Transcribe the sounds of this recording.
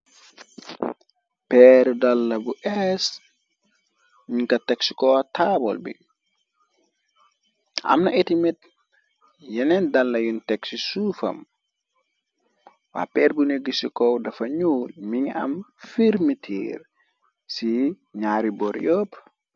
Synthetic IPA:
pɛɾdalːɐbuʔɛs | ɲiŋkɐtɛksi̥kɔataːbɔ̰lbḭ | a̰mnɐetimit̚ | jɛnɛndɐlːɐjuntɛksisufɐ̰m | wa̰ːpɛːɾbuneɡːisikɔwdɐfɐɲuːlmiŋɐ̰mfiɾmitʰḭːɾ | si | ɲaːɾibɔɾjɔp

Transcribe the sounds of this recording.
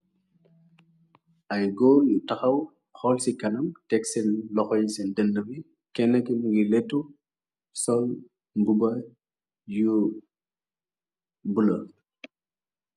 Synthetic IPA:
ʔɐjɡoːljutɐxɐw | xɔlsikɐnɐmtɛksɛnlɔxɔjisɛndənːəbi | kɛnːɐkimuɡilɛtːu | sɔl | mbubɐ | ju | bulɐ

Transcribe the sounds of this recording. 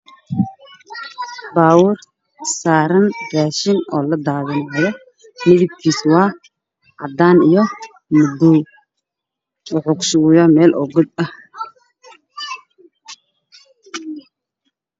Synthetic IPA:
baːwʊr | saːɾɐnraːʃɪnɔːlɐd̪aːɣɐnɦɔɾɛ | nɪðɪb̚kʰiːswɑː | ʕɑd̪aːnijɔ | mʊd̪u | ʊʕʊkʃʊjɐmɛːlʔɔɡɔd̪̚ɐh

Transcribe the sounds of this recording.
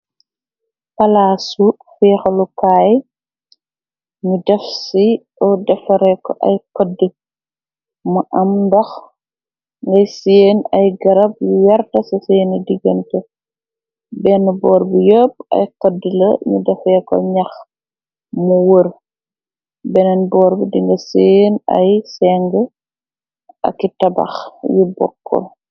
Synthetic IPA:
pɐlaːsu | fɛːxɐlukaːj | ɲudɛfsi | ɔdɐfɐɾɛkɔʔɐjkɔdːə | mɐʔɐmdɐx | ŋɡɐjseːnɐjɡɐɾɐb̚juwɐrtɐsɐseːnidiɡɐntɛ | bɛnbɔːɾbijob̚ɐ̰jkɔdːəlɐ̰ɲudɐfɛkɔ̰ɲɐx | muwəɾ | bɛnɛnbɔːɾbidiŋɡɐsenɐ̰jsɛːŋɡə | ʔɐ̰kːitɐbɐ̰xjibɔ̰kːɔ̰

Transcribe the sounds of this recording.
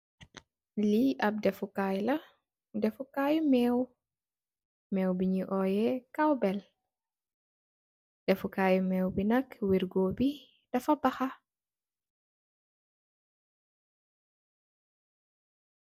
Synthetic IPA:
liʔɐp̚dɛfukaːjlɐ | dɛfukajumɛːw | mɛwbiɲiʔɔːjɛkawbɛl | d̥ɛfukaːjumɛːwbinɐkwiɾɡoːbi | d̥ɐfɐbɐxɐ

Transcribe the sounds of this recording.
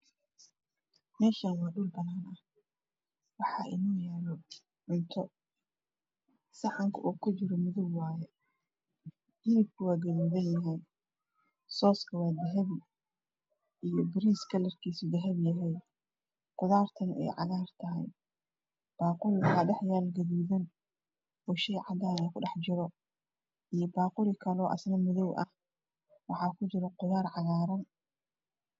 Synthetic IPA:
mɛːʃanwɑːɖʊlbɐnaːnʔɐh | wɑħɑ̰ːʔɪ̰nɔːjɛːlɔ | ʕʊnt̪ʰɔ | sɐħɑŋkʰɐ̰ʔɔːkʰʊt͡ʃɪɾɔmʊðʊɡwɑːjɛ | ʔɪlɪb̚kʰɐwaːdɐjmʊðɐnjɐɦɛj | sɔːskʰɐwɑːd̪ɐɦɐβɪ | ijɔbɪɾiːskʰɐlɐrkʰiːsʊd̪ɐɦɐβjɐɦɛj | qʊðaːrt̪ʰɐnɛ̰jʕɑ̰ɣaːrt̪ʰɐɦɛ̰j | b̥aːqʊlɪwɑħɑːɖɑħjaːlɡɐðuːðɐn | ɔːʃɛjʕɑd̪anakʰʊɖɑħt͡ʃɪɾɔ | ijɔbaːqʊlɪkʰɐlɔːʔɐ̰snɐmʊðɔwʔɐ̰h | wɑħɑːkʰʊt͡ʃɪɾɔqʊðaːrʕɑɣaːɾɔn

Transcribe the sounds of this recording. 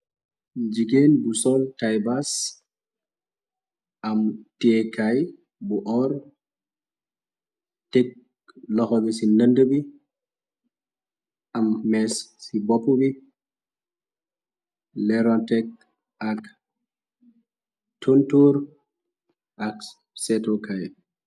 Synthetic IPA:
d͡ʒiɡenbusɔltajbas | ʔamtiekaj | buʔɔɾ | tek̚ | lɔxɔɓisinəndəbi | ʔamːɛsːibopːubi | lɛɾɔntɛk̚ | ak | tuntuɾ | ʔak | sɛtokaj

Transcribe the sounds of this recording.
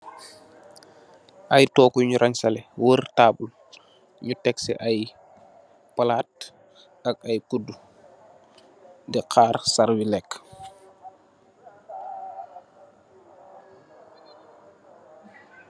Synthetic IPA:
ʔajtɔːkuɲuɾʔaɲsalɛwərtaːbul | ɲutɛksɛ̰ʔaj | pɐlaːt̚ | ɐk̚ajkudu | dɛqʰaːɾsaɾwilɛkː

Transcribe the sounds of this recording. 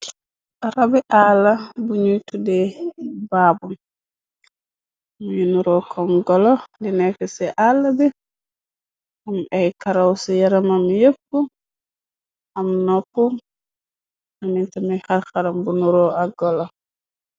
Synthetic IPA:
ʔaɾabɛʔalːabuɲujtudɛbaːbum | mujunuɾɔkʰɔmɡɔlɔlinɛfɛsɛʔalːabɛ | umajkaɾawsijaɾamamjepːu | amnɔpːum | amintamixaɾxaɾambunuɾɔaɡɔlɔ

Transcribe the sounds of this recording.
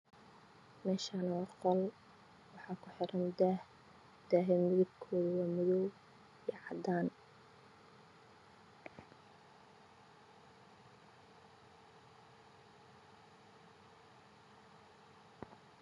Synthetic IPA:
mɛːʃaːnɐwɑqɔl | wɑħɑːkʰʊħɪɾʔɐnd̪ah | d̪̥aːɦɛmɪðɪɡ̚kʰɔːðɐwɑːmɪðɔw | ijɛʕɑd̪aːn

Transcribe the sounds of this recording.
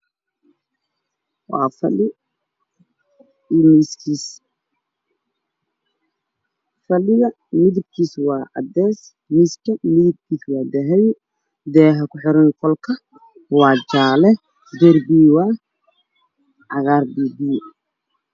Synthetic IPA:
wɑ̰ːfɐlɪ | imiskʰiːs | fɐlɪɣɐ | mɪðɪb̚kʰiːswɑːʔɐ̰d̪ɛːs | mɪskʰɐmɪðɪb̚kʰiːswɑːd̪ɛɦɛj | d̪ɛːɦɐkʊħɪɾɐnkʰɔlkʰɐ | wɑːd͡ʒaːlɛ | d̪ɔrbiwaː | ʕɑɣaːrbibiː

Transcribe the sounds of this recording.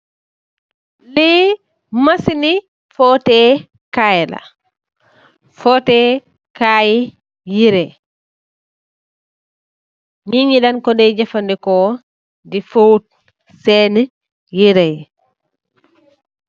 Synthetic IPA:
li | masini | fɔtɛ | kajla̰ | fɔtɛ | kaji | jiɾɛ | ɲiɲiɗankɔdɛd͡ʒafandɛkɔ | difowt̚ | sɛnɛ | jiɾɛj

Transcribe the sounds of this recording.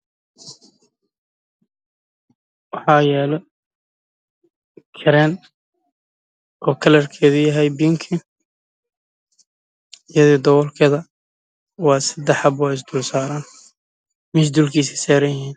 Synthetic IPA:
wɑħɑːjɛːlɛ | kʰɪɾɛːn | ʔɔːkʰɐlɐrkʰɛːðʊjɐɦɛjbiːŋkʰi | ɪjɐðiːd̪ɔwɔlkʰɛðɐ | wɑːsɐd̪ɛħɐbɔɪs̬d̪ʊːlsaːɾaːn | mɪsd̪ulkʰiːs̬isaːɾɐnjɐɦhiːn

